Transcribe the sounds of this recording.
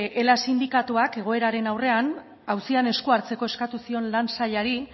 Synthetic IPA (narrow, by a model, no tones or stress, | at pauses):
ʔelasind̪ikat̪uake̞ɣ̞o̞e̞ɾaɾe̞nawre̞an | awsiane̞skuaɾt͡se̞ko̞e̞skat̪usio̞nlansaʎaɾi